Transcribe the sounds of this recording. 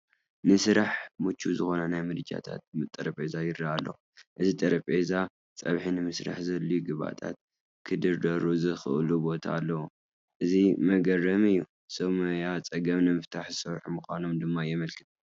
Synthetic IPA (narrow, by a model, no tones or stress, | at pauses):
nɨsɨɾaħmut͡ʃʰːuzɨxo̞nɐnajmɨɾɨd͡ʒa̰t̪ʰa̰t̪̚mɨt̪ʼːɐɾɐpʼezajɪɾaalːɐ̰w | ʔɨzit̪ʼɐɾɐpʼeza | t͡sʼɐ̰βħinɨmɨsɾa̰ħzɐlːujuɡɨβa̰t̪ʰa̰t̪̚ | kʰɨd̪ɨɾd̪ɐɾuzɨxɨʔlubo̞t̪ʰa̰ːlːɐwu | ʔɨzimɐɡɐrːɐmɨjːu | sʼɐmɐjat͡sʼɐɡɐmnɨmɨft̪ʰaħzɨsɐɾħumɨxʷano̞md̪ɨmːajɛmɐlkʰɨt̪